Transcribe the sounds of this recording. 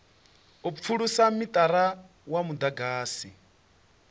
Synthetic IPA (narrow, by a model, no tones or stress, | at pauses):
up̪fʰuɺusamit̪ʼaɾa | wamud̪aɡaːsi